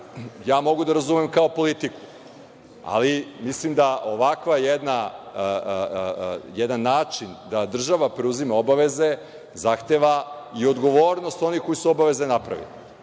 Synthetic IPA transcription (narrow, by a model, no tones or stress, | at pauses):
jaːmo̞ɡud̪aɾazumemkaopo̞lit̪iku̥ | a̰limislˠimd̪aʔo̞ʋakʋajed̪na | jɛd̪anːaːt͡ʃind̪ad̪r̩ʒaʋapɾeuzimao̞baʋe̞ze̞ | zaxt̪eʋaio̞d̪ɡo̞ʋo̞ːɾno̞st̪o̞niko̞jisuobaʋe̞zenapɾa̰ʋḭli